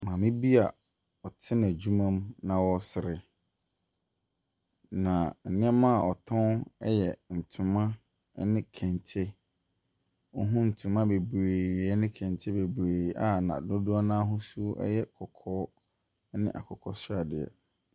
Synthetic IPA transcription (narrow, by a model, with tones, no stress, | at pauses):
mã˨mɪ̃˦bi˦a˨ | ɔ˨tʰɪ˦ñ˨æ˨d͡ʑu˦mã˦m˦nã˨wɔ˦sɪ˨ɾɪ˨ | nã˨n̩˨nɪ̃˦ɛ˦mã˦˨ɔ˨tʰɔ̃˦nɛ˦jɛ˨n̩˨tʰʊ̃˨mã˦ | nɪ̃˦kʰɛ̃˨n˨tʰɛ˦ | ɔ˦ɦʊ̃˦n̩˨tʰũ˨mã˦be˨bɾeː˨ɛ˦nɪ̃˦kʰɛ̃˨ntʰɛ˦be˨bɾe˨˦a˦nã̰˨dõ˦dʊ˦a˦nãː˦ɦʊ̃˦su˦ʔɛ̰˦jɛ˦kʰɔ˨kʰɔː˦ | nɪ̰̃˦ʔa̰˨kʰɔ˨kʰɔ̰˦sʊ˦a˨dɪ˨ɛ̰˨